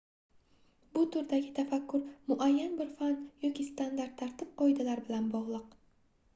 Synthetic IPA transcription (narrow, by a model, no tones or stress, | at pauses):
b̥ʊt̪ʰʊɾd̪aɡʲɪt̪ʰafakʲːʊɾmʊʔajːanbɪɾfanjɒkʲist̪and̪aɾt̪ʰːaɾt̪ʰɪp̚qɒjd̪alaɾbɪlanbɒʁlˠɨq